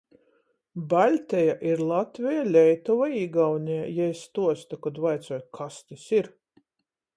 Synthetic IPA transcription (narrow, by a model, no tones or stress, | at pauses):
balʲt̪ʲɛjaʔiɾlˠat̪vʲɛjalʲɛjt̪ɔvaiːɡawnʲijaist̪uɔst̪akɔd̪vajt̪sɔjkʰast̪asiɾ